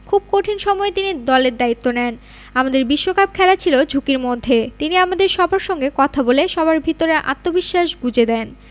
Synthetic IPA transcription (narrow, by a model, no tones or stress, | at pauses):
kʰub̚koʈʰinʃɔmɔet̪inid̪ɔleɾd̪ait̪ːonɛn | amad̪eɾbiʃːokab̚kʰɛlat͡ɕʰilod͡ʑʱukiɾmod̪ʱːet̪iniamad̪eɾʃɔbaɾʃɔŋɡekɔt̪ʰaboleʃɔbaɾbʱit̪oɾeʔa̰t̪ːobiʃːaʃɡud͡ʑed̪ɛn